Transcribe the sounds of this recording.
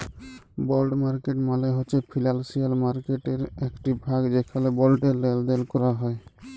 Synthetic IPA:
bɔlɖmaɾkeʈmaleɦoʃʰepʰilalsijalmaɾkeʈeɾekʈibʱaɡd͡ʒekʰalebɔlʈeːeld̪elkɔɾaɦɔj

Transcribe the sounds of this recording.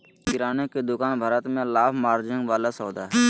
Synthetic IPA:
kɪɾaːneked̪ʊkaːnbʱaːɾət̪mẽlaːbmaːɾd͡ʒɪ̃ŋɡʋaːlasɔːd̪aːɦɛ

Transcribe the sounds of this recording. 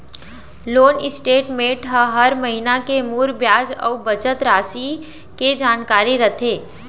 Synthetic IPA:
loːnɪsʈeːʈmẽʈʰəɦɐɾməɦinakemuːɾbjaːd͡ʒɔ̰ːbɐt͡ʃət̪ɾaːsi | ked͡ʒaːnkaːɾiɾɐt̪ʰeː

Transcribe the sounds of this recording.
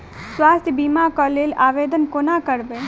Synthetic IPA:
swaːst̪ʰjəbiːmakɔleːlaːʋeːd̪ənkonakəɾbeː

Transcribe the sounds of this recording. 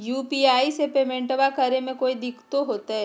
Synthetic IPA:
juːpiːaːisepeːmẽɳʈʋakɐɾemẽkoːid̪ɪkʰt̪oɦoːt̪aɦɛː

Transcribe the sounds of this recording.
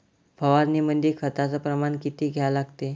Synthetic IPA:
bʱəʋaɾnimənd̪ikʰət̪at͡səpɾəmankit̪iːɡʱjalaɡt̪e

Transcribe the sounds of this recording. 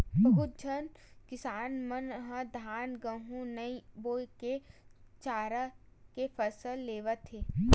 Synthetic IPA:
bɐɦʊt̪̚d͡ʒʱənkɪsaːnmənɦə̃d̪ʱaːnɡə̃ɦũnɐiboːjket͡ʃaːɾakepʰəsəlːeːʋət̪ɦeː

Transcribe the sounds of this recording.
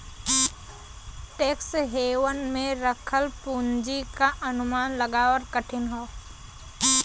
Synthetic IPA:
ʈeːksɦeːwənmẽɾəkʰəlpuːnd͡ʒikaʔɐnʊmaːnləɡaːəɾkəʈʰɪnɦoː

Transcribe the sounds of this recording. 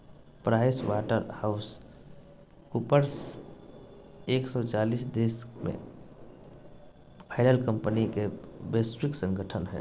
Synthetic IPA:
pɾaːswaːʈəɾhaʊs | kupəɾs | eːksɔt͡ʃaːliːsd̪eːsmḛ̃ | pʰaɪləlkəmpnikebeːsɾɪksə̃ŋɡəʈʰənɦɛ̰ː

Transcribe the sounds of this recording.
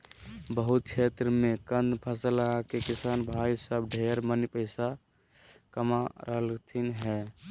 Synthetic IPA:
bəɦut̪̚t͡ʃʰet̪ɾəmẽkənd̪pʰəsəlakekisaːnbʱaisəbɖʱeɾmənipəɪsa | kəmaɾəɦəlt̪ʰinɦɛ

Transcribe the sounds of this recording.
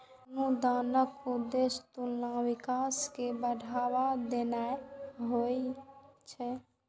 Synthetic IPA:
nud̪anəkud̪est̪ulnãwikaskebəɽʱawad̪enaɦo | t͡ʃʰɛ

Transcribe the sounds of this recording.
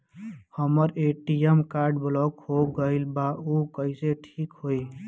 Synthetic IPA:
həməɾeʈiemkaːɾɖblɔkhoɡəɪlbaukəiseʈʰiːkɦoi

